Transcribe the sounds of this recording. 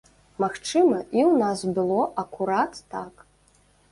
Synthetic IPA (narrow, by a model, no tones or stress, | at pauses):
maxt͡ʂɨmɐiwnasbɨlˠɔʔɐkuɾat̪ːak